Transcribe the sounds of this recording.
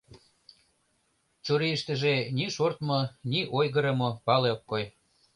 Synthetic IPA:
t͡ɕoɾiəʃt̪ə̆ʒeniʃort̪mŏniʔojɣəɾə̆mŏpɑleokːoj

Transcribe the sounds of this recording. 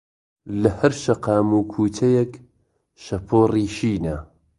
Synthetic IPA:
lɐhɐɾʃɐqɑːmuːkʰuːt̪ʰɐjɛk | ʃɐpʰoːriːʃiːnɐ

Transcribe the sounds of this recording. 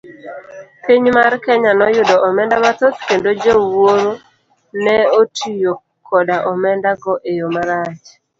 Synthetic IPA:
piɲmarkɛɲanɔjʊdɔʔɔmɛndabat̪ɔt̪kendod͡ʒowoɾo | nɛotʰijo | kʰɔdaʔɔmɛndaɡɔʔejomaɾat͡ʃ

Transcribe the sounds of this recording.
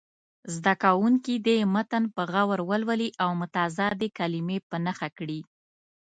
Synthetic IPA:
zd̪akawuŋkid̪əmat̪anpəɣawaɾwəlwəliʔawmʊt̪ɑzɑd̪ekalimepənaxakɽi

